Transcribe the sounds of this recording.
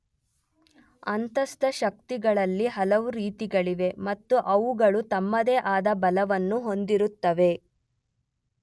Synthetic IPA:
ɐnt̪ɐst̪ɐʃɐk̚t̪iɡɐɭɐlːiɦɐlɐʋuɾiːt̪iɡɐɭiʋe̞mɐt̪ːuʔɐʋuɡɐɭut̪ɐmːɐd̪eːʔaːd̪ɐbɐlɐʋɐnːuɦo̞nd̪iɾut̪ːɐʋe̞

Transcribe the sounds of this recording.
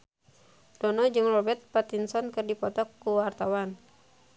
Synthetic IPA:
dɔnɔd͡ʒɨŋrɔbɛt̪̚pat̪insɔnkɨrdipɔt̪ɔkːuwart̪awan

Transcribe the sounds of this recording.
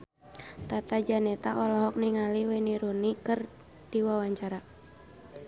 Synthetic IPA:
t̪at̪ad͡ʒanɛt̪aʔɔlɔɦɔk̚niŋaliwɛniɾunikɨr | diwawaɲt͡ʃaɾa

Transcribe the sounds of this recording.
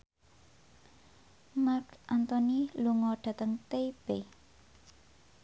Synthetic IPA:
markʔant̪ɔniluŋɔɖ̥ä̤t̪əŋt̪eb̥e

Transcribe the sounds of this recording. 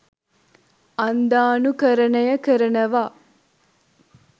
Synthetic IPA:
ɐnd̪aːnukɐɾɐɳɐjɐkɐɾɐnɐʋaː

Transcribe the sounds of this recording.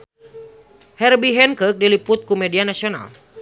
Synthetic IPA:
hɛrbiɦɛnkək̚dilipʊt̪̚kumedianasiona̰l

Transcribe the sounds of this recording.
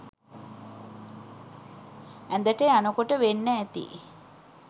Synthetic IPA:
ænd̪əʈeanəkoʈəʋenːəːt̪ḭ

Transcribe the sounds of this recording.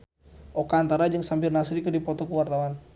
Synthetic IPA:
ʔokaːnt̪aɾad͡ʒaŋsampirnasɾikərdipɔt̪ɔkəwart̪awan

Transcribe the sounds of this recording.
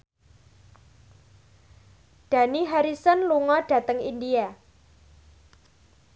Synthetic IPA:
d̥a̤niɦaɾisɔnluŋɔɖ̥ä̤t̪əŋḭndia

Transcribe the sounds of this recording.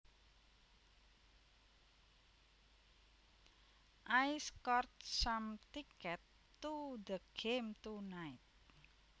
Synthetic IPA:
ʔajskɔrt̪̚samt̪ikɛt̪ː | ud̪əɡ̥emt̪unaɪt̪̚

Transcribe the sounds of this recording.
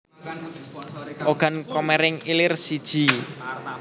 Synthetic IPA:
ʔoɡ̥a̤nkɔmɛɾɪŋilɪrsid̥ʒ̥i̤

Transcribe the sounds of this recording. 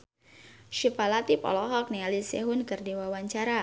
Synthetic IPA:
ʃipalat̪ipɔ̰lɔɦɔk̚nialisɛɦʊnkɨrdiwawaɲt͡ʃaɾa

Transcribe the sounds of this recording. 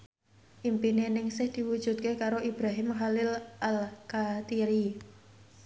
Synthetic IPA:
ʔimpinenɪŋsɪhd̪̥i̤wud̥ʒ̥ṳt̪̚kekaɾoʔib̥ɾaɦɪmɦalɪlʔalkat̪iɾi

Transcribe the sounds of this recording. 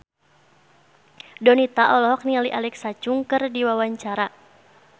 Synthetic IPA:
dɔnit̪aʔɔlɔɦɔk̚nialiʔalɛksat͡ʃuŋkɨrdiwawaɲt͡ʃaɾa

